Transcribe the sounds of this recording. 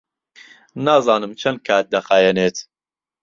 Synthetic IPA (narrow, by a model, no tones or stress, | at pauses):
naːzɑːnɨmt͡ʃʰɐnd̪̚kʰaːt̪̚d̪ɐxaːjɛneːt̪